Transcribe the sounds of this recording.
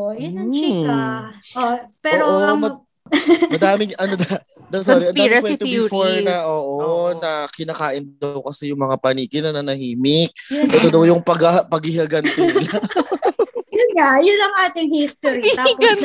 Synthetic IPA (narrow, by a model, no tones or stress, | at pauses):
ʔopɛɾoʔomɐ | mɐd̪aːmɪŋɐnod̪ɐ | d̪ɐmsoɾɪʔɐnd̪aɪkwɛt̪ofoɹnɐʔoːʔonɐkɪnakaːʔɪnd̪ɐwkɐsɛjʊŋmɐŋapɐniːkɪnɐnɐnɐhiːmɪk̚ʔɛt̪od̪ɐwjʊŋpɐɡɐpɐɡɪhɐɡɐnt̪ɛlɐ | jʊnŋajʊnːɐŋʔaːt̪ɪŋhist̪oɾi